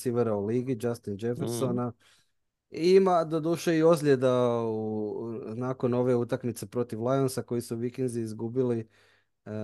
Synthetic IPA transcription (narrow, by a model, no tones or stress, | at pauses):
siʋeɾaoliːɡid͡ʒast̪ind͡ʒefeɾsona | iimad̪od̪uːʃeio̞zlʲe̞d̪aunaːko̞no̞ʋe̞ut̪akmit̪se̞pɾo̞t̪iʋlˠajonsako̞jisuʋikend̪ziizɡubili